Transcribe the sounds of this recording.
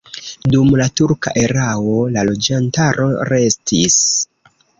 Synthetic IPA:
dumlatuɾka̰ʔe̞ɾao̞lalo̞d͡ʒantaɾʔo̞̰ɾe̞stʰis

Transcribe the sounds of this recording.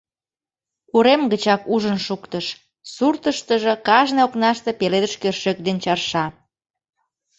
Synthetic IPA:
uɾemɡət͡ɕɑkuʒənʃukt̪əʃ | surt̪əʃt̪əʒəkɑʒneoknɑʃt̪epeled̪əʃkørʃøk̚d̪ent͡ɕɑrʃɑ

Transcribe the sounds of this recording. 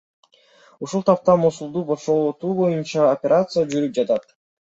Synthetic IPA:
uʃulˠt̪ʰɑp̚t̪ɑmosulˠd̪uboʃolˠot̪uːbo̞junt͡ʃɑopʲeɾʔat̪sɨjad͡ʒyɾyp̚d͡ʒɑt̪ɑt̪

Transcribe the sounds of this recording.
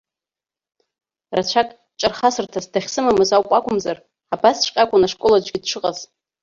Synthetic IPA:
rat͡ʃʷʰakʼ | t͡ʃʼarχasɨrtʰasdaχʲsɨmamɨzawqʷʼakʷʰʼʊmzar | abasʃʷqʲʼakʷʼʊnaʂkʷʼolad͡ʒʷʼɡʲɪdʈ͡ʂʷʰɨqʼaz̥

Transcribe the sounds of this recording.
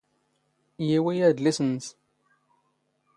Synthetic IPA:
jiwijæd̪lisənːs

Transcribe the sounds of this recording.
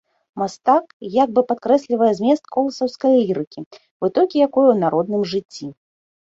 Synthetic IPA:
mast̪akjaɡ̚bɨpat̪̚kɾɛsʲlʲivɐjɛzʲmʲɛst̪kɔlˠɐsɐwskɐjlʲiɾɨkʲi | vɨt̪ɔlʲkʲijakɔjɛwnaɾɔd̪nɨmʐɨt͡sʲːi

